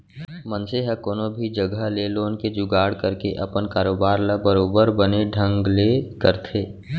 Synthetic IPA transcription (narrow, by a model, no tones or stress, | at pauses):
mə̃nseɦɛkoːnobʱid͡ʒəɡəleloːnked͡ʒʊɡaːɽkəɾkeʔɐ̰pənkaːɾoːbaːɾlabəɾoːbəɾbəneɖʱə̃ŋɡlekəɾt̪ʰeː